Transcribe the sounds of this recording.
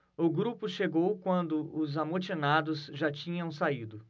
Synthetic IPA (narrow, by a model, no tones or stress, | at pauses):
ʊɡɾupʊʃeɡowkwɐ̃nd̪ʊʊzamot͡ʃinad̪ʊzʒat͡ʃĩɲɐ̃w̃said̪ʊ